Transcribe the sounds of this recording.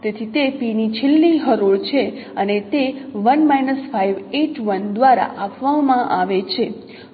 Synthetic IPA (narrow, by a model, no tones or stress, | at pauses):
t̪et̪ʰit̪epinit͡ʃʰɪlːiɦəɾoɭt͡ʃʰe | ənet̪eʋənmajnəsfajʋeʈʋənd̪ʋaɾa̰ʔapʋamãʔaʋet͡ʃʰe